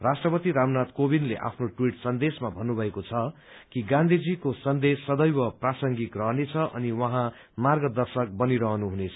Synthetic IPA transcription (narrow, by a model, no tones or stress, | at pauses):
rasʈrʌpʌt̪iɾamnat̪kobinleʔa̰pʰnoʈwiʈsʌnd̪esmabʱʌnːubʱʌekot͡sʰʌ | kiɡãnd̪ʱid͡zikosʌnd̪esːʌd̪ʌjwʌprasʌŋɡit̪rʌɦnet͡sʰʌʔʌ̰niwʌɦã | marɡʌd̪ʌrsʌk̚bʌniɾʌɦʌnuɦunet͡sʰʌ